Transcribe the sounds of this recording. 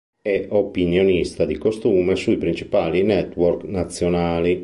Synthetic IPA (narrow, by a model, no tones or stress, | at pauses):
ɛʔopinjonist̪ad̪ikost̪uːmesuipɾint͡ʃi̥paːlinɛt̪ːworknat̪sːjonaːli